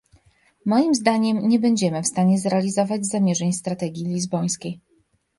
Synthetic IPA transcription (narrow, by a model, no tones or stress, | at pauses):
mɔjimzd̪aɲɛmɲɛbɛɲd͡ʑɛmɘfst̪aɲɛzɾɛalʲizɔvad͡ʑzamʲjɛʐɛɲst̪ɾat̪ɛɡʲjilʲizbɔj̃skʲej